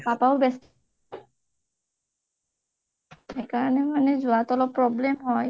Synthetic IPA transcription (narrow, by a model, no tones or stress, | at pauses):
papaʊbɛs | ekaɹɔnɛmanɛzuat̪ɔlɔpːɹɔblemɦɔj